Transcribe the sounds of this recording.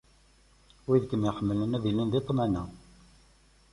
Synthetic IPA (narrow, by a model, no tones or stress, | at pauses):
wiðkəmjəħəmːələnæðilənðit̪ˤːmænæ